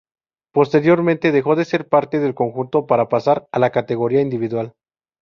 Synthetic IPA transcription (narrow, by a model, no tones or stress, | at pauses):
po̞st̪e̞ɾjo̞ɾmẽnt̪e̞ðexo̞ðe̞se̞ɾpaɾt̪e̞ðe̞lko̞ŋxunt̪o̞paɾapasaɾalakat̪e̞ɣo̞ɾiaind̪iβiðwal